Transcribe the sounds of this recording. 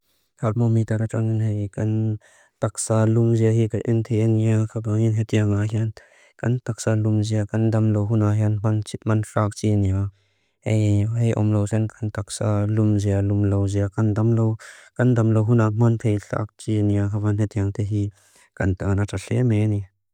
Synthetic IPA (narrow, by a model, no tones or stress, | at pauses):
tʰalmɔmit̪aɾat͡ʃaŋinɦejkɐn | t̪ak̚salumziaɦikaʔint̪ʰeaniakʰabaŋinɦet̪iaŋaɦian | kɐnt̪ak̚salumziakɐndɐmlowɦunaɦianmant͡ʃit̪̚manɬaːk̚t͡ʃinia | ejɦejʔɔ̰mlowsɛnkant̪ak̚salumzialumlowziakandamlowkɐndɐmlowɦunamant̪ʰejɬa̰k̚t͡ʃiniakʰabanɦɛt̪iɐŋt̪eɦi | kɐnt̪anataɬɛmeni